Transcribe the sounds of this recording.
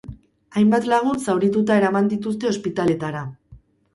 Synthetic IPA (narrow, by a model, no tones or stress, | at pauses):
ajmbat̪laɣ̞unsawɾit̪ut̪ae̞ɾamand̪it̪ust̪e̞o̞spit̪ale̞t̪aɾa